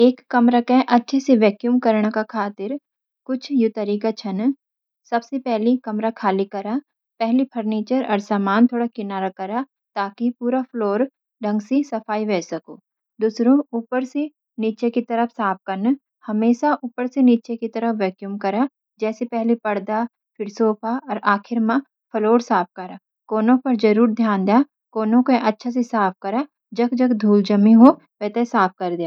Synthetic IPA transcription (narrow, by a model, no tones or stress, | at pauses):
eːkːɐmɾakeʔɐtːʃʰeseʋɛːkjumkɐɾɳakakʰaːt̪ɪɾ | kʊt͡ʃʰjʊt̪ɐɾiːkat͡ʃʰɐn | sɐbsepɛɦlikɐmɾakʰaːlikɐɾa | pɛɦlipʰɐɾniːt͡ʃəɾɔ̰ɾsaːmaːnt̪ʰoːɽakɪnaːɾakɐɾa | t̪aːkipuːɾapʰloːɾ | ɖʱɐ̃ŋɡsisɐfaːiʋɛːsɐkoː | d̪uːsɾõuːpəɾse | niːt͡ʃekit̪ɐɾəfsaːp̚ʰkɐɾn | hɐmeːʃaʔuːpəɾseniːt͡ʃekit̪ɐɾəfʰʋɛːkjumkɐɾaː | d͡ʒɛːsepɛɦlepɐɽd̪a | pʰɪɾsoːpʰaɔːɾaːkʰɪɾmã | pʰəloːɾsaːp̚ʰkɐɾaː | koːnõpɐɾd͡ʒɐɾuːɾd̪ʱjaːnd̪ejaː | kɔːnõkoʔɐtːʃʰas̬esaːp̚ʰkɐɾaː | d͡ʒɐkd͡ʒɐkd̪ʱuːld͡ʒɐmĩɦo | ʋɛːt̪esaːp̚ʰkɐɾd̪ijaː